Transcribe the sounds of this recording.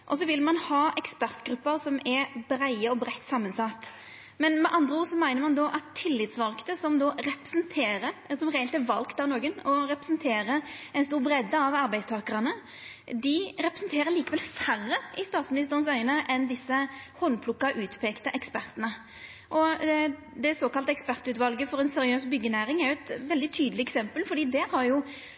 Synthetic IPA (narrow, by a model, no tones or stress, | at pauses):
ʔɔs̬ɔʋɪlmɑnhɑːʔɛkspæʁt̪ɡɾʉpːəʁsɔmɛɾbɾæɪəɔbɾɛt̪ːsɑmːənsɑt̪ː | mɛnmɛʔɑnd̪ʁəoːsɔmæɪnəɾmɑnd̪ɔʔɑt̪ʰːɪlːɪt̪sʋɑlkt̪əsɔmd̪ɔɾɛpə̥sənt̪ʰeːɾəɾsɔmʁɛːɛlt̪æʋɑlkt̪ɑnoːɡənɔɾɛpɾɛsənt̪ʰeːɾəɛɪnst̪uːʁbɾɛd̪ːəɑʋɑɾbæɪst̪ʰɑːkəʁɑnə | d̪ɪɾɛpʁəsnt̪ʰeːɾəɭiːkəʋɛlfærːəʔɪst̪ɑːt̪smɪnɪst̪əʁənəsœʏnəʔɛnd̪ɪsːəhɔnpʰlʊkːɑʔʉːt̪pʰeːkt̪əʔɛkspæʁt̪ənə | ʔɔ | d̪ɛsoːkɑlt̪ɛkspæʁt̪ʉːt̪ʋɑlɡəfɔɾɛnsɛɾɪøːsbʏɡənæːɾɪŋæɾjʊɛt̪ʋɛld̪ɪt̪ʰyːd̪əlɪɛksɛmpəlfɔɾd̪iːd̪ɛhɑɾjʊ